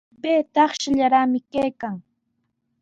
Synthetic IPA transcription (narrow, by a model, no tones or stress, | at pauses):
peːt̪ɑχʃaʎaɾamɪkajkaŋ